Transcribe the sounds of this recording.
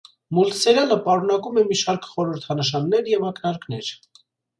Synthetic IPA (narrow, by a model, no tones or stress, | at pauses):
mult̪sɛɾjɑləpɑɾunɑkumɛmiʃɑɾkχɔɾəɾt̪ʰɑnəʃɑnːɛɾjɛvɑknɑɾknɛɾ